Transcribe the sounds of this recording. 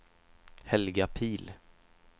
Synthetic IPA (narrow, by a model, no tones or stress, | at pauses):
hɛlɡapʰiːl